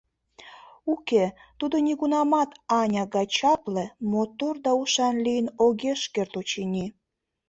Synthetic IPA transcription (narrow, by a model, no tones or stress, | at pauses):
uket̪ud̪onʲiɣunɑmɑt̪ɑnʲɑɣɑt͡ɕɑplĕmot̪ord̪ɑuʃɑnlijənoɣeʃkert̪ot͡ɕinʲi